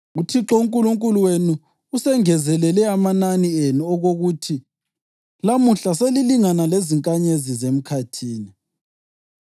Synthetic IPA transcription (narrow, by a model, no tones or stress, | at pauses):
utʰiǁouŋkʼuluŋkʼuluwenuː | sɛŋɛzɛlɛlɛamananienuɔɣoɣutʰi | lamuɬaseliliŋanaleziŋkʼaɲezizem̩kʰatʰiːni